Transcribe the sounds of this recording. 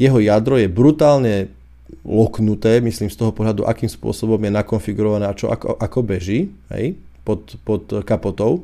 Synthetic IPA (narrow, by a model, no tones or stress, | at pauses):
jɛɦɔjad̪ɾɔjɛbɾut̪aːlɲɛ | lɔknut̪ɛːmisliːmst̪ɔɦɔpɔɦlad̪ṵʔa̰kiːmspʊɔ̰sɔbɔmjɛnakɔnfiɡuɾɔʋanɛːat͡ʃɔ̰ʔa̰kɔ̰ʔakɔbɛʒiːɦɛ̰j | pɔt̪pɔt̪kapɔt̪ɔʊ